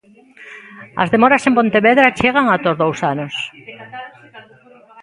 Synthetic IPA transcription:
ɐ̰zðemoɾasempont̪eβeðɾat͡ʃeɣ̞aŋat̪ozðowsanos

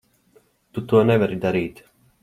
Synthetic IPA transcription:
t̪ut̪uɔnɛvɛɾid̪aɾiːt̪

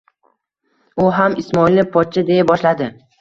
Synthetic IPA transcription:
ʊɦamɪsmɒilnɪpʰɒt̪̚t͡ʃʰad̪e̞jabɒʃlad̪ɪ

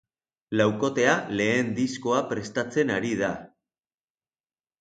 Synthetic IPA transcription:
lawko̞t̪e̞ale̞ːnd̪isko̞apɾe̞st̪at͡se̞naɾið̞a

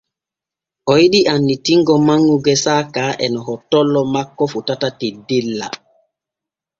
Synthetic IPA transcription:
ʔɔjiɗiʔanːitiŋɡɔmaŋːuɡɛsaːkaʔɛnɔɦɔtːɔlːɔmakːɔfutatatidilːa̰

